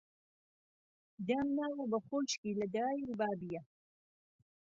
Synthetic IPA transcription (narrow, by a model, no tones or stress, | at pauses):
d̪amnaːwɐbɐχoːʃkiːlɐd̪aɾaːjibaːbijɐ